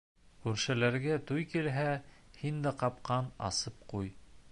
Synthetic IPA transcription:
kʉɾʃɘ̆læɾɡæt̪ujkilɦæhind̪ɘqɑpqɑnɑ̰sɤp̚quj

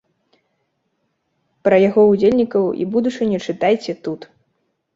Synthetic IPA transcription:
pɾɐjaɣɔud͡zʲelʲnʲikɐwḭbud̪ut͡ʂɨnʲut͡ʂɨt̪ajt͡sʲɛt̪ut̪

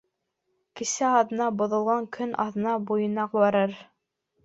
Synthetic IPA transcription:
kɘ̆sæɑðɤ̆nɑbŏðŏlˠʁɑŋkʰɵnʔɑ̰ðɤ̆nɑbujɤ̆nɑqbɑɾɤɾ

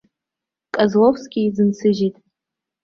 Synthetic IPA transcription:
kʼazlofsɡʲʼɪid͡zɨnt͡sʰɨʒitʼ

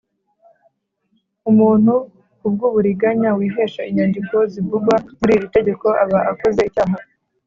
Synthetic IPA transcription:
umuːn̥hu | kub̚ɡuːβuɾiɡaɲawiːɦe̞ːʃaiɲandiko̞zivuɡwamuɾiːɾite̞ɟe̞ko̞ʔaβaʔakoze̞icaːɦaɾo

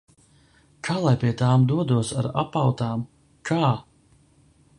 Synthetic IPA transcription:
kʰaːlˠajpiɛt̪aːmd̪uɔd̪uɔsa̰ɾa̰pawt̪aːm | kʰaː

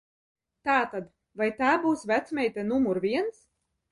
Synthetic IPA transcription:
t̪aːt̪ad̪ | vajt̪aːbuːsvʲæt̪smʲɛjt̪ʲɛnumuɾvʲiɛns

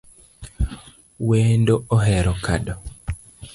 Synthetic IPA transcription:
wendooɦɛɾɔka̰ɗɔ

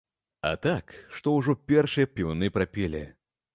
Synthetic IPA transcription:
ɐ̰t̪akʂt̪ɔwʐɔpʲɛrʂɨjɐpʲiwnɨpɾapʲɛlʲḭ

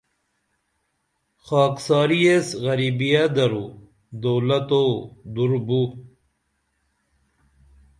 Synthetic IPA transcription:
xɑːksɑːɾijesɣɐɾibijad̪ɐɾu | d̪oːlɐt̪od̪uɾbu

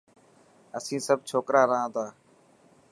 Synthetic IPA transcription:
əsĩːsəb̚ʱt͡ʃʰoːkɾaːɾəɦãːt̪ʰaː

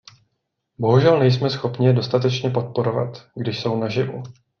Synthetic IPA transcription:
bo̞ɦuʒɛlnɛjsmɛsxo̞pɲɪɛdo̞st̪at̪ɛt͡ʃɲɛpo̞t̪̚po̞ɾo̞va̰t̪ɡdɪʃso̞wnaʒɪvṵ

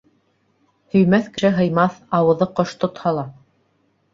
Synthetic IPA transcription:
hɵ̆jmæθkɘ̆ʃɘɦɤ̆jmɑθɑwɤ̆ðɤqoʃt̪ŏt̪hɑlˠɑ

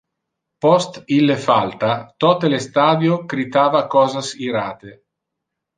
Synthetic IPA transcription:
pɔst̪ilːefalt̪at̪ɔt̪elest̪aːd̪jokɾit̪aːvakɔːzasiɾa̰ːt̪e

